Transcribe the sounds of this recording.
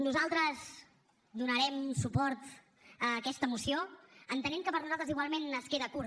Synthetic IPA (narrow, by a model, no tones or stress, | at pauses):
nuzalˠt̪ɾəz | d̪unəɾɛmsupɔɾt̪ | əkɛst̪əmusioənt̪ənɛmkəpəɾnuzalˠt̪ɾəziɣwalˠmenəskeðəkuɾ